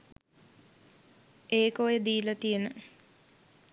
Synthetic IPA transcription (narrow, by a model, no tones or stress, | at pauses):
eːkojed̪iːlət̪ijenə